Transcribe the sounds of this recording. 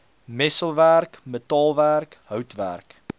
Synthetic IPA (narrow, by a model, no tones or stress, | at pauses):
mɛsəlˠværkmətɑːlˠværkɦœwtvæ̰rk